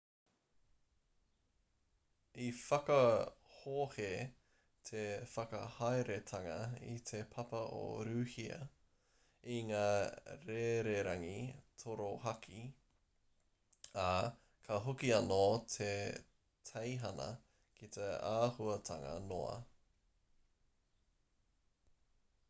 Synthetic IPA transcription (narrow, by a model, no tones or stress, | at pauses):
ifɐkɐhoːhe | t̪ʰefɐkɐ̰hajɾet̪ʰɐŋɐḭt̪ʰepʰɐpɐʔo̰ɾʉːhiɐ̰ | iŋaːɾeɾeɾɐŋitʰoɾoɦɐkʰi | ɐ | kʰɐɦokiɐnotʰe | tʰejɦɐnɐ̰ | kʰit̪ʰeaːhuɐt̪ʰɐŋɐ̰no̰ɐ̰